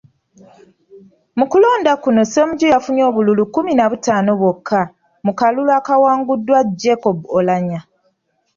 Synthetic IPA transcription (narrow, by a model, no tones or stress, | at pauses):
mukulo̞ːndakuno̞semuɟojafuɲo̞ːβululukuminaβutaːno̞βwokʰːa | mukalulwaːkawaːŋɡudːwad͡ʒekobolaɲa